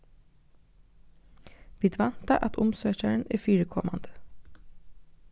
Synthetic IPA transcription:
ʋiːd̪ʋɑnt̪əʔɑt̪ʰʊmsøːçæɳ̩ḛːfyːɹəkʰɔmɑ̰nd̪̥ə

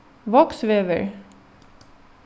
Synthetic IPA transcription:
ʋɔksʋeːʋə̰ɹ

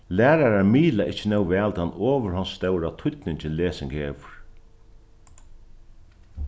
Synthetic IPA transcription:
læːɾaɾaɹmiːlaʔɪt͡ʃːɪnɛwvɛːlt̪ʰanːɔːʋəɾɦanst̪ɛwɾat̪ʰʊt̪nɪɲt͡ʃɪnleːsɪŋkheːʋʊɹ̥

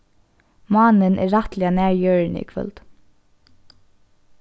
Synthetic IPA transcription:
mɑːnənʔɛ̰ɹːaht̪lɪanæːɹjøːɹnə̰ḭkʰvœ̰lt̪

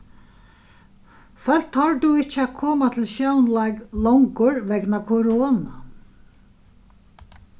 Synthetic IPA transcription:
fœl̥t̪hɑɹd̪uɪt͡ʃːəækʰɔːmat̪ʰɪlʃjawnlaɪklɔwŋkʊɹʋɛɡnakʰʊɾoːna

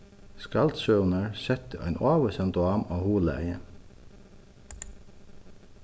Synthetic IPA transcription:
skɑlt̪ʃœʊnəɹsɛt̪əʔæ̰ɪnʔoːʋəsɛnd̪ʊɑːmoːhuːləæ̰ɪə̰n

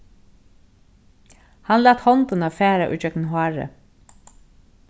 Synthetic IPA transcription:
hɑnlɑːt̪hɔnt̪ʊnɑːfæːɾaʔʉ̰ːt͡ʃœkn̩hwɑɹə̰

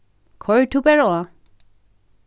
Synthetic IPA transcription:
kʰɔjɹtʰupɛɹɔwa

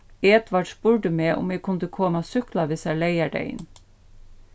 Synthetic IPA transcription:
eːd̪ʋɑɖʃb̥ʊɹɖəmeːʔʊ̰meːɡ̚kʰʊnd̪əkʰoːmɑsʏklɑʋɪsæleɪæɖḛɪ̰n

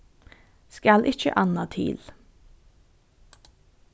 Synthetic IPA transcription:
skɑlʔɪçə̰ʔɑnɑt̪ʰḭːl

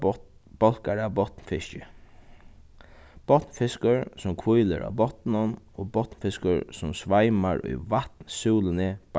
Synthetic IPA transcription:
b̥ɔlkaɾabɔt̪nfɪʃt͡ʃɪ | b̥ɔt̪nfɪskʊɹsʊmkʰʋujlə̰ɾʔa̰bɔt̪nʊn | oːbɔt̪nfɪskəɹsʊmsʋajmaɹʊ̰jʋaht̪nsuːlɪnɪb̥

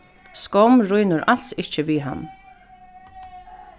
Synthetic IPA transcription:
skɔwmɾʊjnʊɾal̥sɪht͡ʃəviːɦa̰nː

